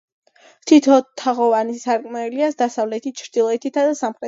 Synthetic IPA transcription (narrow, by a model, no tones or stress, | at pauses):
t̪ʰit̪ʰɔt̪ʰaʁɔvanisaɾkʼmɛliasd̪asavlɛt̪ʰit͡ʃʰɾd̪ilˠɔɛt̪ʰit̪ʰad̪asamχɾɛ